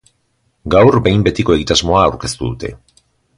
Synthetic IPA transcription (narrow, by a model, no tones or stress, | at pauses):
ɡawrbe̞jmbe̞t̪iko̞e̞ɣit̪azmo̞aːwɾke̞st̪uðut̪e̞̰